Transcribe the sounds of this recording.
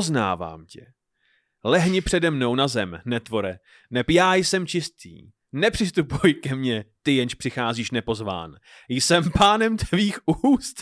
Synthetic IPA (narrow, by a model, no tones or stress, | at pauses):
ozna̰ːva̰ːmcɛ̰ | lɛɦɲɪpr̝̥ɛdɛmno̞wnazɛmnɛt̪vo̞ɾɛ | nɛpjaːjsɛmt͡ʃɪst̪ʰḭː | nɛpr̥ɪst̪upujkɛmɲɛt̪ɪjɛnʃpr̝̥ɪxaːziːʃnɛpo̞zva̰ːn | jsɛmpaːnɛmt̪ʰɛviːxuːst̪